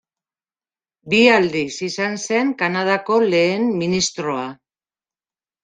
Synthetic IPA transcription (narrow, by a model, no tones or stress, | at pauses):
biald̪isisanse̞ŋkanað̞ako̞le̞ːnminist̪ɾo̞a